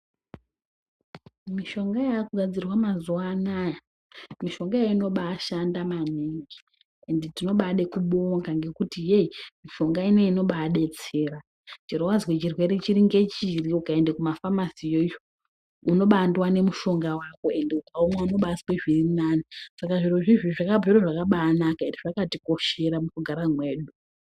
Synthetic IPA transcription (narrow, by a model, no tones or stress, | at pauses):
miʃo̞ŋɡajaːkuɡʱad͡zirwamazuanaja | miʃo̞ŋɡajaino̞ɓaːʃandamaneŋɡi | endetino̞ɓaɗe̞kuɓoŋɡaŋɡe̞kutijeimiʃo̞ŋɡaineino̞ɓaɗe̞t͡seːra | t͡ʃirowazwet͡ʃirwe̞ɾet͡ʃiɾiŋɡe̞t͡ʃiriukae̞nde̞kumafamasijojo | uno̞ɓandwane̞muʃo̞ŋɡawako̞e̞nde̞ukaomwauno̞ɓasweʐirinaːnisakaʐiruʐiʐiʐakabʱeɾoʐakaɓaːnakaendiʐakatiko̞ʃe̞ɾamukuɡʱaɾamwe̞ːɗu